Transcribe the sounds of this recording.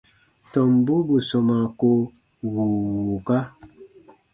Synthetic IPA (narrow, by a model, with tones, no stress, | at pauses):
tɔ˨m˨bu˦bu˨sɔ˨ma˨ko˦ | wu˨wu˨ka˦